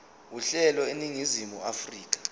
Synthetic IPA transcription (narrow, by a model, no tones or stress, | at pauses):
uɬɛlɔeniŋizimuafriːk̬ʼḁ